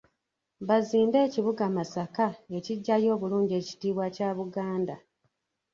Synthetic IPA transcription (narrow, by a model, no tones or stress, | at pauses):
βaziːnde̞ːciβuɡamasakae̞ciɟːajo̞ːβuluːɲɟe̞ci̥tiːβwacaːβuɡaːnda